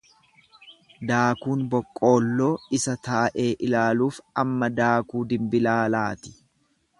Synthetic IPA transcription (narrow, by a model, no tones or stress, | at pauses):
d̪aːkuːnbɔkʼːo̞ːlːo̞ːɪsɐt̪aːʔe̞ːʔɪlaːluːfɐmːɐd̪aːkuːd̪ɪmbɪlaːlaːt̪ɪ̥